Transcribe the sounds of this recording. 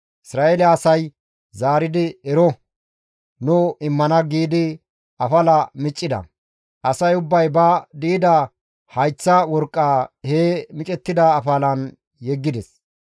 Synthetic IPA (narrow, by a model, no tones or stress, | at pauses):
ʔɪsɾaːʔeːlaːsɐj | zaːɾɪd̪ɪɛɾɔ | nʊɪmːɐnɐɡiːd̪ɪ | ɐfɐlɐmɪt͡ʃʼːɪd̪ɐ̰ | ʔɐsɐjʊbːɐjbɐd̪iːd̪ɐ | hɐjt͡sːɐwɔɾkʼːaːheːmɪt͡ʃʼɛt̪ːɪd̪ɐːfɐlɐn | jɛɡːɪd̪ɛs